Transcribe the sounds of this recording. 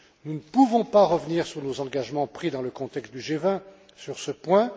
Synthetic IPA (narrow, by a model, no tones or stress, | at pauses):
nunəpuvɔ̃paʁəvniʁsyʁnozɑ̃ɡaʒmɑ̃pχid̪ɑ̃ləkɔ̃t̪ɛkst̪̚d̪yʒevɛ̃ | syʁsəpwɛ̃